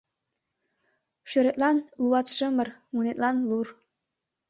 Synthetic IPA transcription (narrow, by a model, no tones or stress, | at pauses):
ʃøɾet̪ʼlɑnluɑt̪ʃəmərmunet̪lˠɑnlur